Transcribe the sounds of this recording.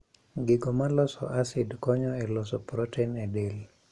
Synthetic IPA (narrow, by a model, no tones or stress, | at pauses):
ɡɪɡɔmalɔsɔ̰ʔasɪdkɔɲɔɛlɔsɔpɾɔtɛnɛdel